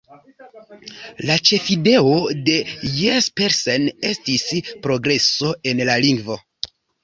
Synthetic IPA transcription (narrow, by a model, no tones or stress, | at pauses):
lat͡ʃe̞fide̞o̞de̞jespeɾsene̞stispɾo̞ɡɾe̞so̞e̞nlaliŋɡvo̞